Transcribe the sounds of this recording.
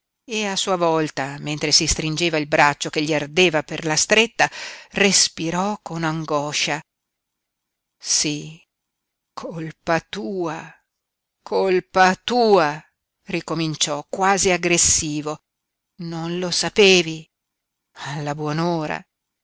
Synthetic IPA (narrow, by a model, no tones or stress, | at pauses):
easuːavɔlt̪ament̪ɾesist̪ɾind͡ʒeːvailbɾat͡ʃːokeʎːiard̪eːvaperlast̪ɾet̪ːarespiɾɔkonaŋɡɔʃa | si | kʰoolpat̪uːa | kʰolpat̪uːa | rikomint͡ʃɔkwaːziaɡɾesːiːvo | nonlosapeːvi | alːabwɔnoːɾa̰